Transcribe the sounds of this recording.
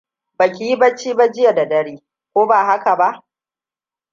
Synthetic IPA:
ba˨kʲi˨˦ji˦bɐ˦t͡ʃːiː˦ba˦d͡ʒɪ˦ja˨da˨dɐ˦ɽiː˦ | kʷoː˦baː˨ɦa˦ka˨ba˦ʔ

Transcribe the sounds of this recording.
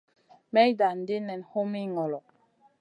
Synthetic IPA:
mɛ˦jda˨n̩˨di˦nɛ˨nho˦mi˦ŋɔ˨lɔ˨

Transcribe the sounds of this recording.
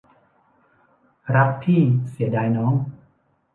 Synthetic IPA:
ɾa˦˥k̚t̪ʰiː˥˩si˩˦ɐdaː˧jnɔː˦˥ŋ

